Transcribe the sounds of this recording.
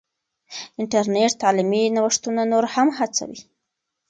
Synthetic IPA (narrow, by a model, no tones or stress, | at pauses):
ɪɳʈaɾneʈt̪ɑliminawəʂt̪unanoɾhamhat͡sa̰wḭ